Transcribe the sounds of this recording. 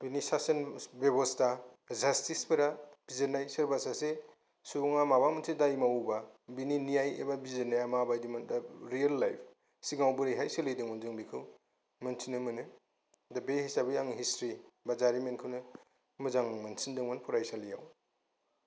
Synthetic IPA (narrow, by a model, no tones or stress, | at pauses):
binisasɐnbebɔsta | zastisbɯɾab̥izenajsɐɾbasase | suŋamabamɯnsʰidajmawbabininijajḛbabizɯnajamabajdimɯndaɾijelːajpʰ | siɡawbɯɾejɦajsɯlɯjdɯŋmɯnzɯŋbikʰɯw | mɐnsʰinɯmɯnɯ | dabehisabɯjaŋɦistɾibazaɾimenkʰɯwnɯ | mɯzaŋmɯnsindɯŋmɯnpʰɔɾajsalijaw